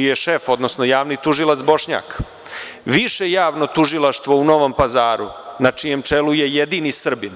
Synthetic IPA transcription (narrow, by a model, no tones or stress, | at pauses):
ijeʃe̞fo̞d̪nosnojaːʋnit̪uʒilˠat̪sbo̞ʃɲa̰ːk | ʋiʃejaːʋno̞t̪uʒilˠaʃt̪ʋo̞uno̞ʋo̞mpazaːɾṵnat͡ʂije̞mt͡ʂe̞luje̞jed̪inisr̩bin